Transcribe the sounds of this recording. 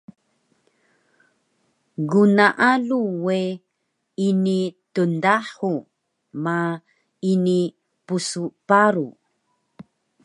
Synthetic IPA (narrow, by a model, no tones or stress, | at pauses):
ɡunaʔaluwe | initundaħu | ma | ini | pusupaɾu